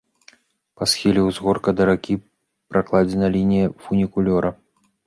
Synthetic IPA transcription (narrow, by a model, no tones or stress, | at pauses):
pasxʲilʲɛwzɣɔrkɐd̪ɐɾakʲi | pɾaklˠad͡zʲɛnɐlʲinʲijɐfunʲikulʲɔɾɐ